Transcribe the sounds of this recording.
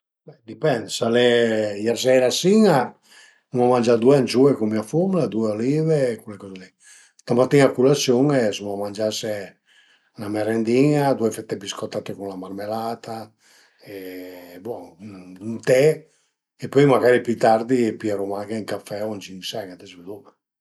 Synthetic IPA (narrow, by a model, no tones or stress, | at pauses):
bɛd̪ipɛnd̪salɛjɛɾsɛɾasiŋa | umamand͡ʒad̪ueant͡ʃuekumiafumlad̪ueoliveːkulekɔzelɛ | t̪amat̪ːinakulasjoŋesumamand͡ʒase | namɛɾɛnd̪iŋad̪uefɛt̪ːɛbiskɔt̪ːat̪ekunlamarmelat̪ʰa | ebɔunt̪ɛ | epɔjmaɡaɾipyt̪aɾd̪ipiaɾumaɡaiŋkafːɛoant͡ʃiŋsɛɡad̪ɛsved̪uvɛ